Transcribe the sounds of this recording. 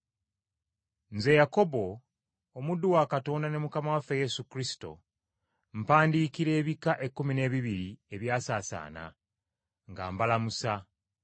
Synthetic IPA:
nze̞jako̞bo̞ː | mudːuwakato̞ːndane̞mukamawafe̞je̞sukɾisi̥to̞̰ | m̩paːndiːkiɾe̞ːβikaʔe̞kːumine̞ːβiβiɾie̞βjaːsaːsa̰ːna̰ | ŋɡa̰ːmbalamusa

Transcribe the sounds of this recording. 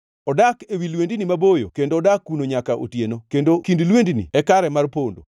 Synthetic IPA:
ɔdakewilwendinimabojokendoɔdakːunoɲakaʔo̰tjenokendokindilwendinḭɛkaɾɛmarpondo̰

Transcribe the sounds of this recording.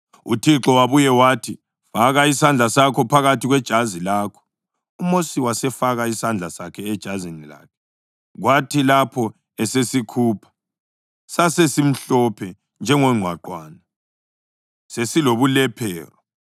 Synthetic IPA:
ṵtʰiǁɔwaβujɛwaːtʰi | faɣaisand͡ɮʱasakʰɔpʰaɣatiɣwɛd̥ʒ̥ʱazilaːkʰɔ̥ | umosiwasɛfaɣaisand͡ɮʱasakʰɛɛd̥ʒ̥ʱazenila̰ːkʰɛ̥ | ɣwatʰilapʰɔ | ɛsesikʰuːpʰḁ | sasesim̩ɬɔpʰɛ | nd͡ʒʱɛŋɔŋ͡ǀʱwaǃwaːna | sesiloβulɛpʰɛ̰ːrɔ

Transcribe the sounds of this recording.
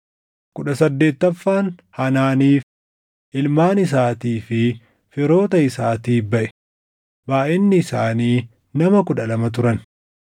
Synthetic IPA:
kʊᶑɐsɐd̪ːe̞ːt̪ːɐfːaːnhɐnaːniːf | ʔɪlmaːnɪs̬aːt̪iːfɪ | fɪɾo̞ːt̪ɐɪsaːt̪iːbɐʔɛ̥ | baːʔɪnːɪːsaːniː | nɐmɐkʊᶑɐlɐmɐt̪̬ʊɾɐn

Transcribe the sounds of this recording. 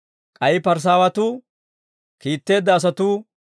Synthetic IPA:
kʼɐjɪpɐɾs̬aːwɐt̪uː | kiːt̪ːe̞ːd̪ːɐːs̬ɐt̪uː

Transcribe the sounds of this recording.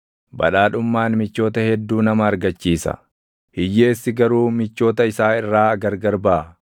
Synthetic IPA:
bɐ̰ᶑaːᶑʊmːaːnmɪt͡ʃːo̞ːt̪ɐhɛd̪ːuːnɐmɐːɾɡɐt͡ʃːiːsɐ̰ | hɪjːeːsːɪɡɐɾuːmɪt͡ʃːo̞ːt̪ɐɪsaːɪrːaːɐɡɐɾɡɐɾbaː

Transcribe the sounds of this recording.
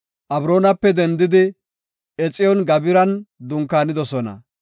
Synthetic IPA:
ʔɐbɾo̞ːnɐpːɛd̪ɛnd̪ɪd̪ɪ | ɛt͡sʼːɪjɔnɡɐbɪɾɐnd̪ʊŋkːaːnɪd̪ɔsɔnɐ̰

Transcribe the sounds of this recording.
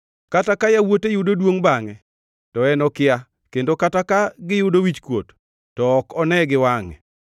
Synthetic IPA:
katakajawotejʊdodwoŋbaŋɛ | tɔɛnɔkɪa | kendokatakaɡɪjʊdowit͡ʃkwo̰tː | ɔːkɔnɛɡɪwaŋɛ̰

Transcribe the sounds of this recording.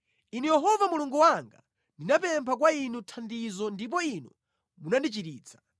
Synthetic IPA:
inujɛɦɔvamuluŋɡuwaŋɡa̰ | ndinapɛmpʰak̬wainutʰandizɔndip̬ɔinṵ | munandit͡ʃiɾiːt͡sʰḁ

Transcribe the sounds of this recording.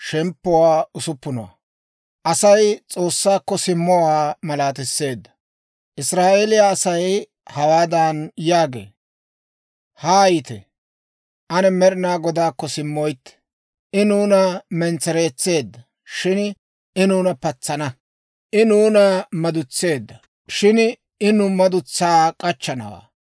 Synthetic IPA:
ʃɛmpːʊwaːʊsʊpːʊnɔwɐ̰ | ʔɐsɐjt͡sʼo̞ːsːaːkːɔsɪmːɔwaːmɐlaːt̪ɪsːe̞ːd̪ːɐ̥ | ʔɪsɾaːʔelɪjaːsɐj | hɐwaːd̪ɐnjaːɡḛː | haːjɪt̪ɛ̰ | ʔɐnɛmɛɾɪnaːɡɔd̪aːkːɔsɪmːɔjt̪ːɛ̥ | ʔɪnuːnɐmɛnt͡sɛɾe̞ːt͡sːe̞ːd̪ːɐ | ʃɪn | ɪnuːnɐpɐt͡sːɐnɐ | ʔɪnuːnɐmɐd̪ʊt͡sːe̞ːd̪ːɐ | ʃɪn | ɪnʊmɐd̪ʊt͡sːaːkʼɐt͡ʃːɐnɐ̰wa̰ː

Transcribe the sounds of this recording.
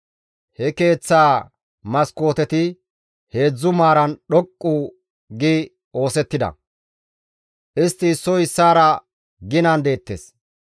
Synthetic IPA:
hɛke̞ːt͡sːaː | mɐsko̞ːt̪ɛt̪ɪ | he̞ːd͡zːʊmaːɾɐnɗɔkʼːu | ɡɪ | o̞ːsɛt̪ːɪd̪ɐ̰ | ʔɪst̪ːɪsɔjɪsːaːɾɐ | ɡɪnɐnd̪e̞ːt̪ːḛs

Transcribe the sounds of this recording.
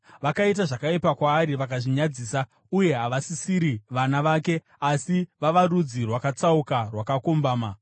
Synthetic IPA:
ʋakait̬aʐakaipakwaːɾiʋakaʐiɲad͡ziːsa | uje̞ɦaʋasisiɾiʋanaʋaːke̞ | asiʋaʋaɾud͡zirwakat͡saukarwakakombaːma

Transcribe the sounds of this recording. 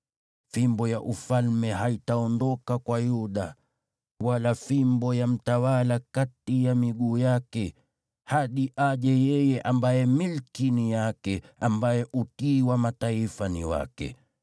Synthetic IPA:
fimbɔjaʔufalmɛɦaitaɔndɔkakwajuɗa | walafimbɔjam̩tawalakatijamiɠuːjakɛ | haɗiʔaʄɛjɛjɛʔambajɛmilkinijakɛambajɛʔutiːwamataifanḭwa̰kɛ̰

